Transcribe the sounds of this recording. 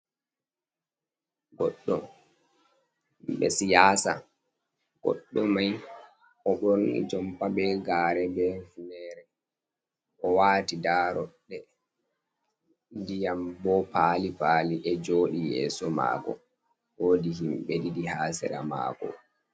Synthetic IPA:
ɡɔɗːɔ̰ | bɛ̰sijasa̰ | ɡ̥ɔ̰ɗːɔmaj | ʔɔɓoɾnḭd͡ʒɔmpabɛɡaːɾɛbɛfnɛɾɛ | ʔɔwaːtidaːɾɔɗːɛ | dijambɔpaːlipaːliʔɛd͡ʒoːɗijɛ̰ːsɔma̰ːkɔ̰ | woːdihimɓedidihaːsɛ̰ɾa̰ma̰ːkɔ̰

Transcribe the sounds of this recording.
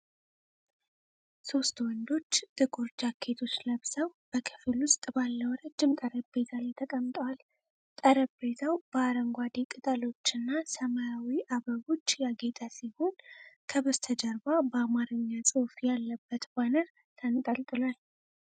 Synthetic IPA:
so̞st̪wɔnd̪o̞t͡ʃːt̪ʼɨɡʼuɾd͡ʒakʰːe̞t̪ʰot͡ʃːləβsəwb̥əkʰɨ̥flwʊst̪ʼbalːəwɔɾad͡ʒːɨmt̪ʼəɾəbbe̞t̪ʰalajt̪ʰəkʼəmt̪ʼəwal | t̪ʼəɾəbbe̞t̪ʰawb̥əaɾəŋɡʷad̪ekʼɨt̪ʼalo̞t͡ʃːɨnːasəməjawiʔaβəβo̞t͡ʃːjaɡe̞t̪ʰasiho̞nkʰəβɨzt̪ʰəd͡ʒəɾbabəamaɾɨɲːasʼɨwfjalːəbːət̪banəɾ | t̪ʰənt̪ʼəlt̪ʼɨlwal

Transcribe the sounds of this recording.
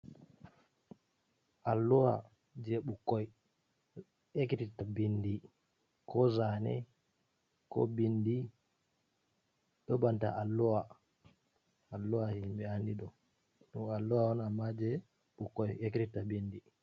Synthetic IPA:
ʔalːuwa̰ | d͡ʒɛɓukːɔj | ekititabindi | kɔzanɛ̰ | kɔ̰bindi | ɗɔbanta̰ʔalːuwa | lːuwahimbɛandiɗɔ | ɗuŋalːuwaɔnamːad͡ʒɛ | ɓukːɔjekititabindi

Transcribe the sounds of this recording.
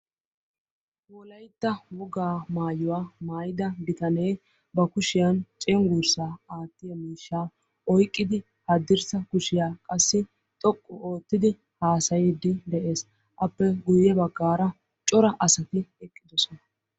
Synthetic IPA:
wɔlɐjt̪ːɐwɔɡaːmaːjʊwaːmaːjɪd̪ɐb̪ɪt̪ɐnej | bɐkʊʃɪjɐnt͡ʃʼɛŋɡʊɾsaːaːt̪ːɪjɐmiːʃːaː | ʔɔjkʼːɪd̪ɪ | hɐd̪ːɪɾsɐkʊʃɪjaːkʼɐsːɪ | t̪ʼɔkʼːɔoːt̪ːɪd̪ɪ | haːsɐjɪd̪ːɪd̪ɛʔe̞ːs | ʔɐpːɛɡʊjːɛbɐɡːaːɾɐ | t͡ʃʼɔɾɐʔɐsɐt̪ɪɛkʼːɪd̪ɔsɔnɐ

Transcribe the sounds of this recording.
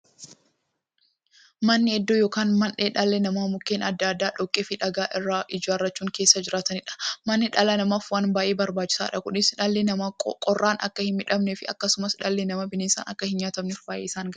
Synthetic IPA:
mɐnːɪɛd̪ːoːjoːkaːnmɐnᶑeːᶑɐlːɛnɐmaːmʊkːeːnɐd̪ːɐːd̪ːaːᶑɔkʼːeːfɪᶑɐɡaːʔɪrːaːʔɪd͡ʒaɐrːɐt͡ʃːuːŋkeːsːɐd͡ʒɪɾaːt̪ɐnɪᶑɐ̥mɐnːɪᶑɐlɐnɐmaːfwaːnbaːʔe̞ːbɐɾbaːt͡ʃːɪ̥sa̰ːᶑɐkʊnɪsᶑɐlːenɐmkʼɔrːaːnʔɐ̰kːɐhɪnmɪᶑɐmnɛfɪɐ̰kːɐsʊmɐsɪᶑɐlːenɐmɐbɪneːsa̰nɐkːɐhɪnɲaːt̪ɐmnɛfbaːʔeːɪsaːŋɡɐ

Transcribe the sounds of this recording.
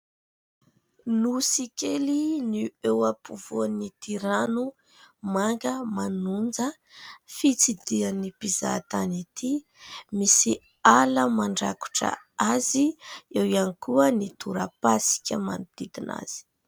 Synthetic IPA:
nusikeliniewapuvuanit̪iɾanu | maŋɡəmanund͡zə | fit͡sid̪ianipiza̰t̪anit̪ʰi | misi | aləmaɳɖ͡ʐaku̥ʈ͡ʂə̰ | aziewianikuənit̪uɾəpasi̥kʲəma̰nud̪̥id̪ina̰z̥i̥

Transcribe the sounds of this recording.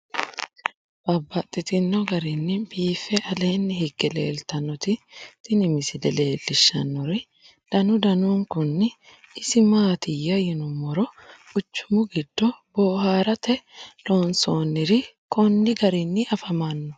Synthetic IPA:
b̥ɐbːɐt̪ʼːɪt̪ɪnːɔɡɐɾɪnːɪbiːfɛʔɐleːnːɪhɪɡːɛlḛːlt̪ɐnːɔt̪ɪt̪ɪnɪmɪsɪd̪ɛle̞ːlːɪʃːɐ̰nːɔɾɪ | d̪̥ɐnʊd̪ɐnuːŋkʊnːɪ | ɪsɪmaːt̪ɪjːɐjɪnʊmɔɾɔ̥ʊt͡ʃːʊ̥mʊɡɪd̪̥ːɔboːɦaːɾɐt̪ʰɛloːnsoːnːɪɾɪkɔnːɪɡɐɾɪnːɪʔɐfɐmɐnːɔ̥

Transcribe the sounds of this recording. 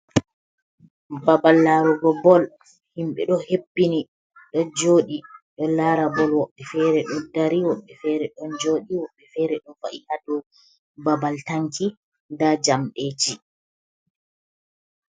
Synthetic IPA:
babalːaɾɔɡɔbɔl | himɓɛ̰ɗɔhepːini | ɗɔd͡ʒoːɗiɗɔlaːɾabɔlwɔɓːɛfɛɾɛɗɔdaɾiwɔɓːɛfɛːɾɛɗɔnd͡ʒoːɗiwɔɓːɛfɛɾɛɗɔfaʔihadɔ | babaltaŋki | ndad͡ʒamɗet͡ʃi

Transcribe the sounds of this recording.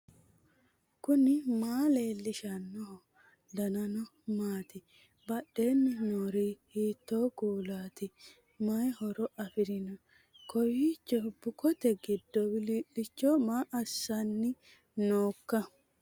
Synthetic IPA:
kʊnɪmaːle̞ːlːɪʃɐnːɔhɔ | d̪ɐnɐnɔmaːt̪ɪ | bɐɗːe̞ːnːɪnoːɾihiːt̪ːoːɡuːlaːt̪ɪ | mɐjhɔɾɔʔɐfɪɾɪnɔ | kɔjit͡ʃːɔbʊkʰɔt̪ɛɡɪd̪ːɔwɪliʔɪt͡ʃːɔmaːʔɐsːɐnːɪ | noːkːɐ

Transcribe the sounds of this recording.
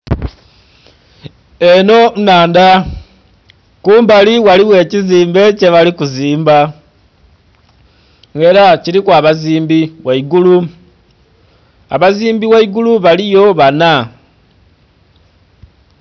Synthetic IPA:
e̞no̞naːnda | kuːmbaliwaliwe̞ːciziːmbe̞ce̞βalikuziːmba | ŋe̞ɾacilikwaːβaziːmbiwaiɡulu | a̰βaziːmbiwaiɡuluβalijo̞βana

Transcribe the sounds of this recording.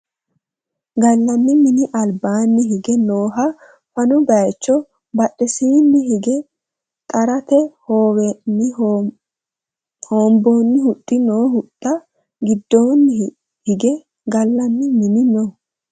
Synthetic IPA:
ɡɐlːɐmːɪmɪnɪʔɐlbaːnːɪɦɪɡɛnoːɦɐ | fɐnɔɡɐjt͡ʃːɔ | bɐɗːɛsiːnːɪɦɪɡɛ | t̪ʼɐɾɐt̪ɛoːwɛnːɪ | hoːmboːnːɪhʊtʼːɪnoːɦʊt̪ʼːɐ | ɡɪd̪ːoːnːɪ | hɪɡɛ | ɡɐlːɐmːɪmɪnɪno

